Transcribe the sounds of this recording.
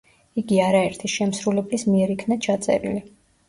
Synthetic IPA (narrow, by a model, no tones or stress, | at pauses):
iɡiaɾaɛɾt̪ʰiʃɛmsɾulɛblismiɛɾikʰnat͡ʃʰat̪sʼɛ̰ɾḭli